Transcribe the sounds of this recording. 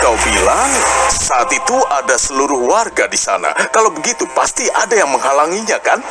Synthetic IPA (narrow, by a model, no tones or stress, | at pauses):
kawbilaŋsaʔat̪it̪uʔadasəluɾʊhwarɡadisa̰na̰kalawbəɡit̪upast̪iʔadajaŋməŋɦalaŋiɲakan